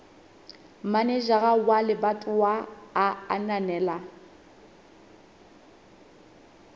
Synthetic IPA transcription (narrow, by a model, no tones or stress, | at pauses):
manɛʒaɣawalɪbatʼʊwaːa̰nanɛːla